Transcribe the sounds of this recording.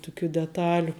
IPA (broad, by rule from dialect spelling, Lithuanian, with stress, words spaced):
tʊˈkʲuː dʲɛˈtɑːlʲʊ